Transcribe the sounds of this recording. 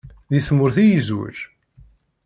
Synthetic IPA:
ðiθmʊɾθijizwṵʒ

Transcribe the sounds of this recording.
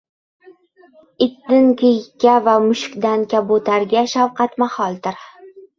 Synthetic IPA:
ɪd̪ːɪnkʲɪjkʲːavamʊʃkʲd̪ankʲabot̪ʰaɾɡʲaʃawqʰɑt̪mahɒlˠd̪ɪɾ

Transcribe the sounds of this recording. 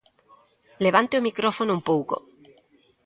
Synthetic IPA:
leβ̞ant̪eomikɾofonoumpowko̰

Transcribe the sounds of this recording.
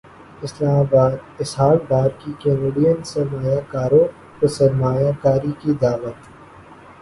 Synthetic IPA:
ɪslaːmaːbaːd̪ɪsɦaːlbaːɾ̚kikẽːneɖijənsɐɾmaːjakaːɾõ | pəsɐɾmaːjaːkaːɾikid̪aːʋət̪

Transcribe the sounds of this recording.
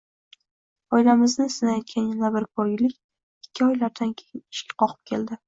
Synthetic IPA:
ɒjlamɪznɪsɪnajɒt̪̚kʲanjanabɪɾkʰɒɾɡʲɪlɪkʲ | ɪkʲːɪɒjlaɾd̪ankʲʰejɪnɪʃkʲḁqʰɒqʰɨ̥p̚kʲʰe̞ld̪ɪ

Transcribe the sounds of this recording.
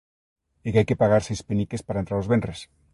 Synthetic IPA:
ekeajkepaɣaɾsespenikespaɾaent̪ɾaɾozβenres

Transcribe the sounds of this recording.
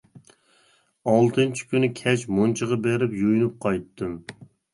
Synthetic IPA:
ɑlˠt̪ʰɨnt͡ʃʰi̥kʲynɪkʲʰɛt͡ʃmunt͡ʃʰəʁɑbeɾɪpjujnup̚qʰɑjt̪ːɨm

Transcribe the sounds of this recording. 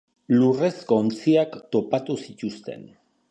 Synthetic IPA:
lure̞sko̞ːnt͡siakt̪o̞pat̪usic̪ust̪e̞̰n

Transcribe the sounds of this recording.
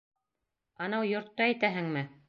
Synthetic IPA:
ɑnɑwjŏɾt̪ːɑæjt̪æɦɘŋmɘ

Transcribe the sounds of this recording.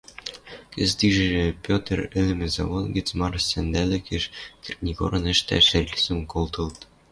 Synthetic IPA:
kɘ̆zd̪iʒɘʒĕpʲot̪̆rɘ̆lɘ̆mɘ̆zɑ̰βonɡɘ̆t͡smɑrsænd̪ælɘ̆kɘ̆ʃkʲɘrʲnʲiko̰ɾɤ̆nɘ̆ʃt̪æ̰ʃɘrʲisɤ̆mkolt̪ɤ̆lt̪

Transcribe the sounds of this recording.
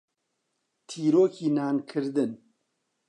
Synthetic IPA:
t̪ʰiːɾoːkiːnaːnkʰɨɾd̪ɨn

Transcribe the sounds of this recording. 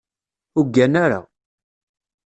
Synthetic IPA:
ʊɡːænaɾa̰

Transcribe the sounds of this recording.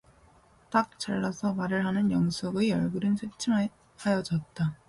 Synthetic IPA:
t͈ak̚t͡ɕ͈aɭːasʰʌmaɾɯɭɦanɯnjʌŋsʰoɡejʌɭɡuɾɯnsʰet͡ɕʰɯŋɦ | hajʌd͡ʑʌt̚t͈a

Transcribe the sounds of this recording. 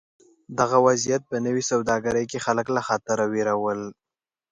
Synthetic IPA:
d̪aɣawazijat̪̚pənəwisawd̪ɑɡaɾəjkexaləklaxɑt̪əɾaweɾawəl

